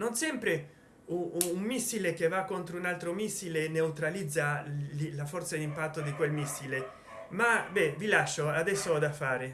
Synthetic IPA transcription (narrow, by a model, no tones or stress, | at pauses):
nonsɛmpɾe | uːmːisːilekevːakːont̪ɾounalt̪ɾomisːileneut̪ɾalid̪zːalafɔrt̪sad̪impat̪ːod̪ikwelmisːile | mabɛvilaʃːoad̪ɛsːoɔd̪afaːɾe